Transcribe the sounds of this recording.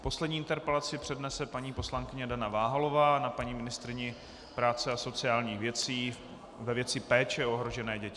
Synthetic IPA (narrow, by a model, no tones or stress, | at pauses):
po̞slɛdɲiːʔɪnt̪ɛɾpɛlat͡sɪpr̥ɛdnɛsɛpaɲiːpo̞slaŋkɪɲɛdanavaːɦalo̞vaːnapaɲiːmɪnɪst̪ɾɪɲɪ | pɾaːt͡sɛaso̞t͡sɪaːlɲiːxvjɛt͡siː | vɛvjɛt͡sɪpɛːt͡ʃɛo̞ɦɾo̞ʒɛnɛːɟɛcɪ